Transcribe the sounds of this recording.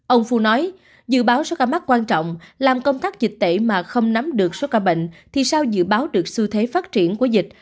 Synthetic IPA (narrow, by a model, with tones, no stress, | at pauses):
ʔə˧wŋ͡mfu˧nɔ˨˦j | zɨ̰˧˨ɓaː˨˦wso˨˦kaː˧˩ma˦˥k̚kːwaː˧nt͡ɕɔ̰˧˨wŋ͡mlaː˨˩mkə˧wŋ͡mt̪aː˦˥k̚zi˨˩k̟̚t̪ḛ˧˩maː˨˩xə˧wŋ͡mna˨˦mɗɨ˨˩ək̚so˨˦kaː˧˩ɓḛ˧˨ŋ̟t̪ʰi˨˩saː˧wzɨ̰˧˨ɓaː˨˦wɗɨ˨˩ək̚sɨ˧t̪ʰe˨˦faː˦˥t̚t͡ɕi˧˩ənku˧˩əzï˨˩k̟̚